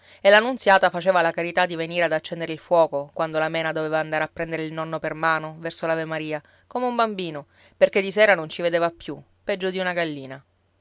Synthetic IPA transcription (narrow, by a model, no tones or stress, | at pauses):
elːanːuntsjaːt̪afat͡ʃeːvalakaɾit̪ad̪ːiveniːɾead̪at͡ʃːɛnd̪eɾeilfwɔːkokwand̪olamɛːnad̪ovevaːnd̪aɾeapːɾɛnd̪eɾeilnɔnːopermaːnovɛrsolavemaɾiːa | komeumbambiːno | perked̪isɛːɾanont͡ʃived̪eːvapju | pɛd͡ʒːod̪iunaɡalːiːna